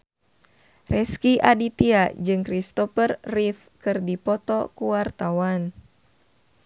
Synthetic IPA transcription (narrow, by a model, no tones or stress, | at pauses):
rʔɛskiʔadit̪iad͡ʒɨŋkɾist̪ɔfərːif | kɨrdipɔt̪ɔkuwart̪awan